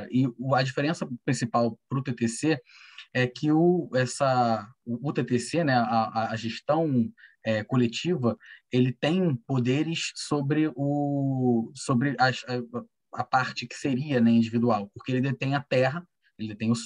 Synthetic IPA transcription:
ʔɪɐd͡ʒifeɾẽsɐpɾĩsipawpɾʊt̪et̪eseɛkʰɪʊɛsɐː | t̪et̪esenɛɐɐːʒeʃt̪ɐ̃w̃ɛkolet͡ʃivɐelɪt̪ẽj̃pod̪eɾɪʃsobɾɪʊ | sobɾɪʔɐʃɐ | ɐpaɾt͡ʃɪkɪ̥seɾiɐnɛĩd͡ʒivid̪uawpoχkeelɪd̪et̪ẽj̃ɐt̪ɛɦɐ | elɪd̪et̪ẽj̃ʊs

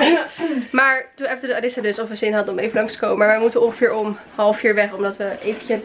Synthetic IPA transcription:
maːɹtunɛfətədəadɪsadəsɔfʋəzɪnɦɑdənɔmejvənlɑŋstə̥kowməmaːɹʋəmutənɔnχəfɪːɹɔm | hɑlˠəfiːɹʋɛχɔmdɑtʋəʔejfəcə

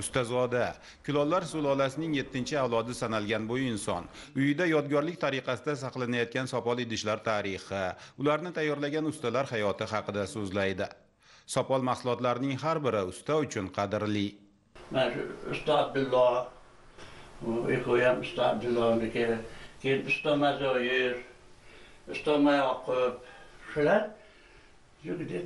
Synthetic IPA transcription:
ʊst̪azɒd̪a | kʰʲʊlˠɒlːaɾsolˠɒlasɪnɪŋje̞t̪ʰːɪnt͡ʃʰɪawlˠɒd̪ɪsanalɡʲanbojɪɪnsɒn | ʊjɪd̪ajɒd̪̚ɡʲɒɾlɪk̚ʲt̪ʰaɾɪqʰɑsɪd̪asɑqlˠanajɒt̪̚kʲansɒpɒlˠed̪ɪʃlaɾt̪ʰaɾɪχɪʊlaɾnɪt̪ʰajːɒɾlaɡʲanʊst̪alaɾhajɒt̪ʰɪɦɑqɨd̪asɵzlajd̪ɪ | sɒpɒlˠmɑχsʊlˠɒt̪laɾɪnɪŋɦaɾbɪɾɪʊst̪aʊt͡ʃʰʊnqʰɑd̪ɪɾli | manaʃʊ̰ʊ̰st̪ɒab̚d̪ɪlːɒ | ʊekojamʊst̪ɒab̚d̪ɪlːɒŋd̪ʲɪkʲʰekʲʰejɪnʊst̪ɒmazɔjɪɾ | ʊst̪ɒmajɒqʰʊp̚ʃʊlaɾ | jʊɡd̪ɪ

